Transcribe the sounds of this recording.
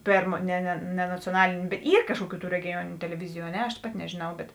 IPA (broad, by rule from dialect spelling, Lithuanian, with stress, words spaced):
ˈpʲeːrmoː ˈnʲɛ nʲɛ nʲɛ nɐt͡sʲoːˈnɑːlʲeːnʲ ˈiːr ˈkɑːʃkuɔˌkʲuː tuː rʲɛɡʲɪˈjuɔnʲɪnʲʊ tʲɛlʲɛˈʋʲɪzʲɪjʊ ɐ ˈnʲɛ ɐʃ ˈpɑːtʲɪ nʲɛʒʲeːˈnɐʊ bʲɛt